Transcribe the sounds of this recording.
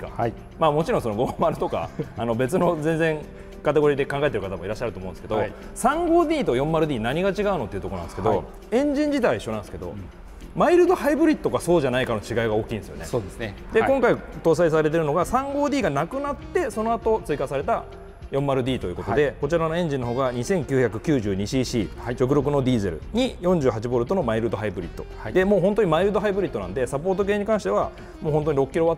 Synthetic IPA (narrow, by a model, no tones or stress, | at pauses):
a̰ | maːmo̞t͡ɕiɾõso̞noɡomaɾɯ̟t̪o̞ka̰ano̞be̞t͡sɨno̞zẽ̞nd͡zẽ̞ŋ | kat̪e̞ɡo̞ɾʲiːd̪e̞kãŋɡae̞t̪eɾɯ̟kat̪amo̞iɾaɕːaɾɯt̪omõnesɨ̥ke̞d̪osãŋɡo̞ːd̪ʲiːt̪o̞jõ̞mːaɾɯ̟d̪ʲiːnaɲ̟iɡat͡ɕiɡaɯno̞t̪ːeiɯ̟t̪o̞ko̞nã̰nsɨked̪o̞ | ẽ̞ɲ̟d͡ʑĩɲ̟d͡ʑit̪aaiɕːonãnsɨ̥ke̞d̪o̞̰ | maiɾɯd̪o̞haibɯ̟ɾʲit̪ːokaso̞ːʑanaikano̞t͡ɕiɡaiɡao̞ːkʲĩːnd̪esɨjone̞sod̪esed̪e̞koŋkait̪o̞ːs̬ais̬aɾe̞t̪̬e̞ɾɯ̟no̞ɡasãŋɡo̞ːd̪ʲiːɡanakɯ̟nat̪ːe̞so̞noat̪o̞t͡sɨikasaɾe̞t̪a | jõ̞mːaɾɯ̟d̪ʲiːt̪o̞ji̟ko̞to̞d̪e̞ko̞t͡ɕiɾano̞ẽ̞ɲd͡ʑĩnːo̞ɦo̞ːɡaɲ̟isẽ̞ŋkʲɨːçakɯ̟kʲɨːʑɨːɲ̟iɕiːɕiːt͡ɕo̞kɯ̟ɾo̞k̬ɯ̟no̞d̪ʲiːze̞̰ɾɯ̟̰ɲ̟ijõ̞ɲ̟d͡ʑɨːɦat͡ɕibo̞ɾɯ̟t̪o̞no̞maiɾɯ̟d̪o̞ɦaibɯ̟ɾʲḭt̪ːo̞ | d̪e̞mo̞ːɦõ̞nt̪oɲ̟imaiɾɯd̪oɦaibɯ̟ɾit̪ːo̞nã̰nd̪e̞sap̬o̞ːt̪o̞ke̞ːɲ̟ikãɕi̥t̪e̞βa | moːhõnt̪o̞ɲ̟iɾo̞kɯkʲiɾo̞βat̪ː